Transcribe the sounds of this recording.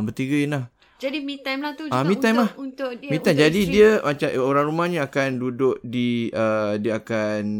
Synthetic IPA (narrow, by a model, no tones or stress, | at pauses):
bət̪iɡəinlah | d͡ʒadimĩt̪amlat̪uamĩt̪amlahut̪ʊmĩt̪ad͡ʒadidiəmat͡ʃaoɾaŋɾumahɲãakandudʊʔ̚diʔədiəakan